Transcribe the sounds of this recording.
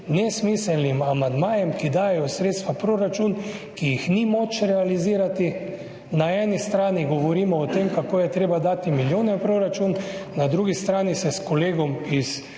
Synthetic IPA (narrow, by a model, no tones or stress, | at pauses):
nɛsmiːsɛlnimamand̪maːjɛmkid̪aːjɛjɔsɾeːt̪st̪ʋapɾoːɾat͡ʃunkijixnimot͡ʃɾɛaliziːɾat̪i | naɛːnist̪ɾaːniɡɔʋɔɾiːmɔɔt̪emkakoːjɛt̪ɾeːbad̪aːt̪imiljoːnɛpɾoɾat͡ʃunnad̪ɾuɡist̪ɾaːnisɛskɔleːɡɔmis